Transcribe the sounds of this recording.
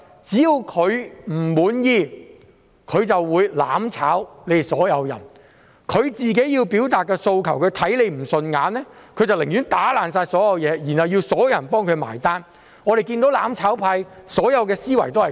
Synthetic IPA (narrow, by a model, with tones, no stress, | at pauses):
t͡siː˨˥ji˧wkʰɵ˨˧ɥm̩˨˩muː˨˥njiː˧ | kʰɵ˨˧ɥt͡sɐ˨wːuː˨˧jla̰ː˨˥mt͡sʰa̰ː˨˥wle˨˧sɔː˨˥jɐ˨˧wjɐ̰˨˩n | kʰɵ˨˧ɥt͡siː˨k̬e˨˥jiː˧wpiː˨˥wt̪aː˨t̚kːɛː˧so˧wkʰɐ˨˩wkʰɵ˨˧ɥt̪ʰɐ˨˥jle˨˧jm̩˨˩sɵ˧nŋaː˨˧nlɛː˥kʰɵ˨˧ɥt͡sɐ˨wlɪ˨˩ŋjyː˨˥nt̪aː˨˥laː˨nsaː˧jsɔː˨˥jɐ˨˧wjɛː˨˧jiː˨˩nhɐ˨wjiː˧wsɔː˨˥jɐ˧wjɐ˨˩npɔː˥ŋkʰɵ˨˧ɥma̰ː˨˩jt̪aː˥n | ŋɔː˨˧ɾe˨jkiː˧nt̪o˨˥wlaː˨˥mt͡sʰaː˨˥wpʰaː˧jsɔː˨˥jɐ˨˧wkɛː˧siː˥wɐ̰˨˩jt̪o˥hɐ˨˩